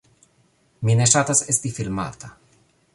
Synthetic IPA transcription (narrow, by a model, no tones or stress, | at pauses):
mineʃat̪asest̪ifilma̰t̪a